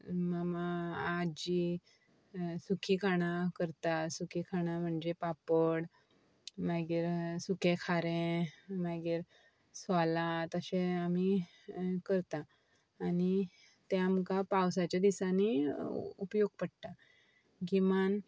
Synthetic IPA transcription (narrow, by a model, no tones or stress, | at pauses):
mamaad͡ʑi | sukʰikʰaɽ̃akəɾt̪asukʰikʰaɽ̃am̤əɳd͡ʑepapəɽ | maɡiːɾsukʰẽkʰaɾẽmaɡiːɾ | salat̪əɕẽami | kəɾt̪aː | ni | t̪eamkapawsat͡ɕjad̪isaniupjoɡ̚pəɽt̪a | ɡiman